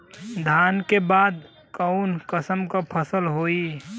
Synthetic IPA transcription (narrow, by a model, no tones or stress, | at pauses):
d̪ʱaːnkebaːd̪ | kəʊnkəsəmkapʰəsəlɦoːi